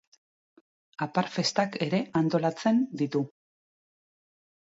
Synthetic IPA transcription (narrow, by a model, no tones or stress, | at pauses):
apaɾfe̞st̪ake̞ɾe̞ʔant̪o̞lat͡se̞nd̪it̪u